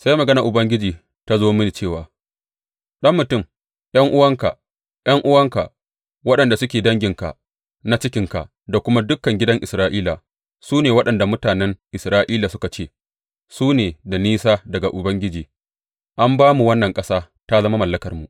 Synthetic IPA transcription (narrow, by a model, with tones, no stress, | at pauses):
sa˦jmɐ˨ɡɐ˦na˨ʔʊ˨bɐ˦ŋɡʲɪ˦d͡ʒiː˨ | ta˦zoː˦mɪ˦ni˨t͡ʃeː˦˨waː˨ | ɗɐ˦mːʊ˨tʊ˦˨m | j̰ɐ˦ŋʔʊ˦wɐ˦ŋka˨ | j̰ɐ˦ŋʔʊ˦wɐ˦ŋka̰˨ʔ | wɐ˦ɗɐ˨nda˨sʊ˦kʲeː˨dɐ˦ŋɡʲɪ˨ŋka̰˨ | na˦t͡ʃɪ˦kʲɪ˨ŋka̰˨ʔ | da˨kʷʊ˦ma˦dʊ˦kːɐ˨ŋɡʲɪ˦dɐ˦ŋʔɪ˨sɾaː˦ʔiː˦la˨ | suː˦neː˨wɐ˦ɗɐ˨nda˨mʊ˦taː˨nɛ˦ŋʔɪ˨sɾaː˦ʔiː˦la˨sʊ˦ka˨t͡ʃeː˦˨ | suː˦neː˨da˨niː˦saː˦dɐ˨ɡa˨ʔʊ˨bɐ˦ŋɡʲɪ˦d͡ʒiː˨ | ʔa˦mbaː˦mu˨wɐ˦nːɐ˨ŋkʼɐ˦saː˦ | ta˦zɐ˦ma˦mɐ˨lːɐ˦kɐ˨rmu˨ʔ